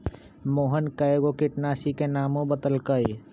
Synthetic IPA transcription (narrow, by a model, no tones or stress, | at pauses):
moːɦənkəeɡokɪʈnaːsikenaːmõbət̪əlkəj